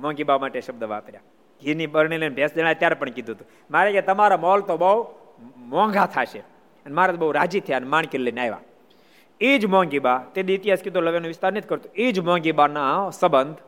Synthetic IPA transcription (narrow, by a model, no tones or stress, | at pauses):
mɔ̃ŋɡibamaʈeʃəb̚d̪əʋaːpəɾja | ɡʱiniɓəɾɳ̃ilenbʱjasd͡ʒəɽ̃ajt̪jaɾepəɳkid̪ʱũɦət̪ũ | maɾeket̪əmaɾamɔlt̪obəu | mɔ̃ŋɡʱat̪ʰaʃe | ənemaɾat̪obəɦuɾad͡ʒit̪ʰəjanemaɳ̃kellenajʋa̰ | id͡ʒmɔ̃ŋɡibat̪eniit̪ijaskit̪oləʋjanũʋɪst̪aɾnet̪ʰikəɾt̪ũid͡ʒmɔ̃ŋɡibanasəbənd̪ʱ